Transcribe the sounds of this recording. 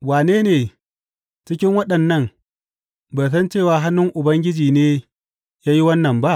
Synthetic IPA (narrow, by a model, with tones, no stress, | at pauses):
waː˨neː˦neː˨ | t͡ʃɪ˦kʲɪ˦ŋwɐ˦ɗɐ˨nːɐ˦ŋ | ba˨s̬ɐ˦nt͡ʃeː˦˨waː˨ɦa˦nːʊ˦ŋʔʊ˨bɐ˦ŋɡʲɪ˦d͡ʒiː˨neː˦ | jaː˦ji˦wɐ˦nːɐ˨mba˦ʔ